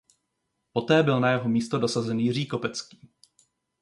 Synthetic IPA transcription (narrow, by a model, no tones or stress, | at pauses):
po̞t̪ɛːbɪlnajɛɦo̞miːst̪o̞do̞sazɛnjɪr̝iːko̞pɛt͡skiː